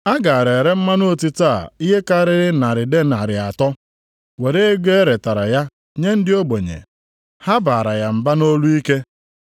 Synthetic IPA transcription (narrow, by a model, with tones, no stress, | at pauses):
a˦ɡa˨a˨ɾe˨ɾe˦m̩˦ma˦no˦o˦˨ti˦ta˦˨i˦ɦe˦ka˦ɾɪ˦ɾɪ˦na˨ɾɪ˨de˦na˨ɾɪ˨a˨tɔ˦ | we˨ɾe˦e˦ɡe˦e˦ɾe˨ta˨ɾa˨ja˦ | ɲe˦n̩˦dɪ˦o˦ɡ͡bo˨ɲḛ˨ | ha˦baː˨ɾa˨ja˨m̩˨ba˦no˦lu˦i˦ke˦